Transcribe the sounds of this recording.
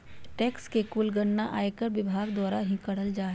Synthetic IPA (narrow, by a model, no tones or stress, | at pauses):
ʈɛːkskekʊlɡəɽnaʔaːekəɾʋɪbʱaːɡd̪waːɾaɦĩkɐɽəld͡ʒaːɦɛ